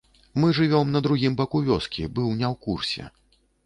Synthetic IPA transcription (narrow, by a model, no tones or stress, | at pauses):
mɨʐɨvʲɔmnɐd̪ɾuɣʲimbɐkuvʲɔskʲibɨwnʲɛwkursʲɛ̰